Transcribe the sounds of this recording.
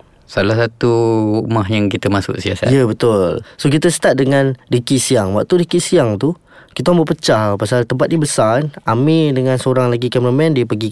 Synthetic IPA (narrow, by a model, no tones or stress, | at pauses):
salahsat̪uuʔmahjaŋkit̪əmasʊ̰ksiasa̰jəbət̪ʊlsok̬it̪əsət̪at̪̚dəŋãndikisiaŋwa̰k̚t̪udikisiaŋt̪u | kit̪aambəpət͡ʃapasalt̪əmpat̪̚ɲibəsanamĩdəŋãnsəoɾaŋlaɡikɛmɾəmɛ̃ndipəɡi